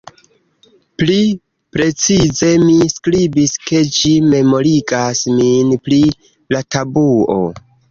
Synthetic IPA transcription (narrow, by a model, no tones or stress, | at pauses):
pli | pɾe̞t͡size̞miskɾibiske̞d͡ʒime̞mo̞ɾiɡasminpli | latʰabuo̞̰